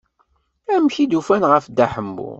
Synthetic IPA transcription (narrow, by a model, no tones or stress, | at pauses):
æmçid̪ufænʁəfd̪æħəmːṵ